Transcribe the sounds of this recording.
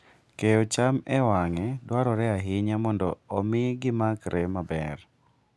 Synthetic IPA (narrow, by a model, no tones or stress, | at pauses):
kejot͡ʃamɛwaŋɛdwaɾɔɾɛaɦɪɲamɔndɔːmɪɡɪmakɾʔɛmabɛr